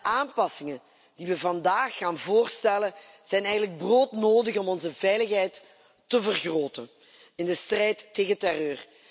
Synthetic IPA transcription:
ʔaːmpɑsɪŋən | d̥iʋəvɑndaːxːaːnvoːrstɛlə | z̥ɛjnɛjɣən̩ləɡ̚broːtnoːdəxɔmɔnzəvɛjləxɦɛjtː | əvərɣroːtən | ɪndəstrɛjtːeːɣətɛrøːr

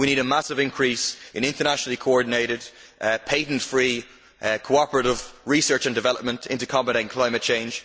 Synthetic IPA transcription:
wiñiːɾəmasɪvɪ̃nkʰɹ̥isɪ̃nɪ̃ntə˞naʃənəlˠikʰoɔɹdⁿneɪɾɪdpʰeɪʔⁿn̩tfɹiː | kʰoɑpəɹəɾɪvɹisɜ˞t͡ʃə̃ndɪvɛlˠəp̚mə̃ntʰɪ̰̃ntukʰɑbəɾə̃nkʰl̥ãɪ̃mət̚t͡ʃʰẽɪ̃nd͡ʒ̥

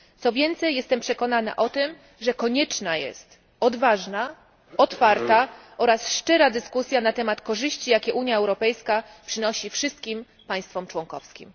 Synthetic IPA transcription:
t̪sɔvʲjɛnt̪sɛjːɛst̪ɛmpʂɛkɔnana̰ʔɔt̪ɘm | ʐɛkɔɲɛt͡ʂnajɛ̰st̪ | ɔd̪vaʐna | ɔt̪faɾt̪aʔɔɾasʂt͡ʂɛɾad̪ɘskusʲjanat̪ɛmat̪kɔʐɘɕt͡ɕijakʲɛʔuɲjaɛwɾɔpɛjskapʂɘnɔɕifʂɘst̪kʲim | paj̃st̪fɔmt͡ʂwɔŋkɔfskʲḭm

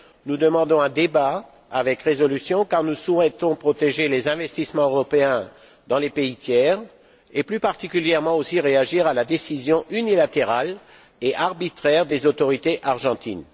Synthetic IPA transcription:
nud̪əmɑ̃d̪ɔ̃ɛ̃d̪eba | avɛkʁezɔlysjɔ̃kaʁnusuɛt̪ɔ̃pχɔt̪eʒelezɛ̃vɛst̪ismɑ̃øʁɔpeɛ̃ | d̪ɑ̃lepeit̪jɛːʁ | eplypaʁt̪ikʲyljɛʁmɑ̃osiʁeaʒiʁalad̪esizjɔ̃ʔynilat̪eʁal | eʔaʁbit̪χɛʁd̪ezot̪ɔʁit̪eʔaʁʒɑ̃t̪ḭn

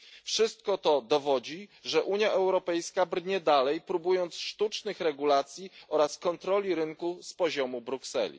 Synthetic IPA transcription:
fʂɘst̪̚kɔt̪ɔd̪ɔvɔd͡ʑiʐɛʔuɲjaʔɛwɾɔpɛjskabɾɲɛd̪alɛjpɾubujɔnt̪sʂt̪ut͡ʂnɘxɾɛɡulat̪sʲjiɔɾaskɔnt̪ɾɔlʲiɾɘŋkuspɔʑɔmubɾuksɛ̰lʲḭ

